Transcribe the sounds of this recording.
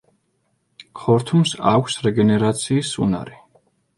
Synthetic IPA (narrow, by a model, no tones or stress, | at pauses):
kʰɔɾt̪ʰumsa̰kʷʰsɾɛɡɛnɛɾat̪sʰiːsːṵna̰ɾi